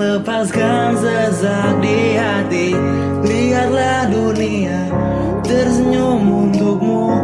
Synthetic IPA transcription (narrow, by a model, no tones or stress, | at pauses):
ləpaskansəzak̚diɦa | t̪i | bəɾiɦat̪̚lahduni | a | t̪ərs̬əɲumunt̪uk̚mu